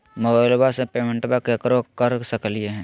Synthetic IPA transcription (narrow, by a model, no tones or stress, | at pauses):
mobalbasepeːmẽɳʈbakekɾokəɾsəklieɦɛ̃ː